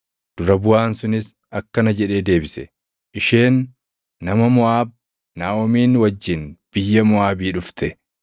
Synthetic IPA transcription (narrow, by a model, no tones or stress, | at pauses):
d̪̥ʊɾɐbʊaːnsʊnɪs | ɐkːɐnɐd͡ʒɛᶑe̞ːd̪e̞ːbɪsɛ | ʔɪʃeːnː | ɐmɐmʊaːb̚ | naːʔɔmiːnwɐd͡ʒːɪnb̥ɪjːɐmʊaːbiːᶑʊft̪ɛ